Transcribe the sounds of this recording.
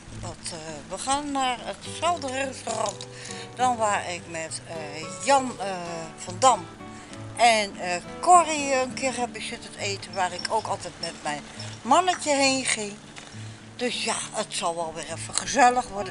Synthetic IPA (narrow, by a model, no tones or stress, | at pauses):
ʋɔtʋəχaːnːaːrətsɛlˠdərestorɔnt | d̥ɔnʋaːrɪkmɛtjɑnfɔndɔm | ʔɛnəkʰoriənkʰɪərɛbisɪtəteːtənʋaːrɪkʰoːkɔlˠtɛtmɛtmɛjnmɔnəcəɦeːnχɪŋ | d̥øsjaətsɔlˠʋɛlˠʋɪrɛfəχəzɛlˠəxʋɔdə